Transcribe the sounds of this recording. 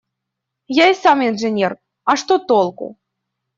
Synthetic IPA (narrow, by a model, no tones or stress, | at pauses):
jaisaminʐɨnʲɛr | ɑʂt̪ot̪olˠkṵ